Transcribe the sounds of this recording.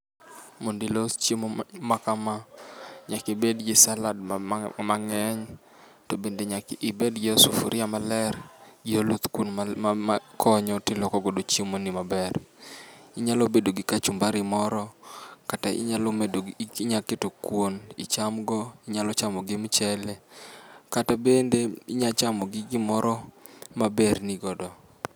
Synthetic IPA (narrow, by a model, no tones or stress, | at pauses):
mondilot͡ʃimomakamaɲakibedɡɪsaladmaŋɛɲ | tobendeɲakɪbedɡɪosufuɾʔɪamalɛɾɡɪolut̪kun | kʰɔɲɔtɪlɔkɔɡodot͡ʃimonimabɛɾ | ɪɲalobedoɡɪkat͡ʃumbaɾɪmɔɾɔkataɪ̰ɲaloɲaketokwonɪt͡ʃamɡɔɪɲalɔt͡ʃamɔɡɪmt͡ʃɛlekatabendeiɲat͡ʃamɔɡɪɡɪmɔɾɔmaberniɡɔdɔ